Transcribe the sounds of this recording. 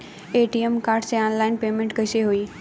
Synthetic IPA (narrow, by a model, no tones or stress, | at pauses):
eːʈiemkaːɾɖseaːnlaːɪnpeːmẽɳʈkɐɪʃeɦuiː